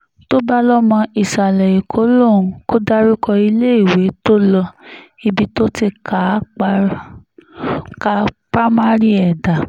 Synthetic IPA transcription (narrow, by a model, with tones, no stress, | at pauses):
to˦ba˦lɔ˦mɔ̃˧i˨ʃa˨lɛ˨i˨kʰo˨˦lõ˦˨˦ko˦da˦ɾi˦kʰɔ˧i˧le˦i˦˨we˨˦to˦lɔ˧i˧bi˦to˦ti˧ka˨˦˧ | ka˧˦pɾa˦ma˦ɾi˦ɛ˨da˨